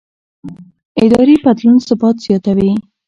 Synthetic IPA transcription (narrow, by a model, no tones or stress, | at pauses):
ɪd̪ɑɾipad̪lunsɪbɑt̪z̥jɑt̪awi